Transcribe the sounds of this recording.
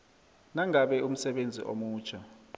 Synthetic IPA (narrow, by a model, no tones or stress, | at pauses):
naŋaɓɛum̩sɛɓend͡zʱḭʔo̰muːt͡ʃʰa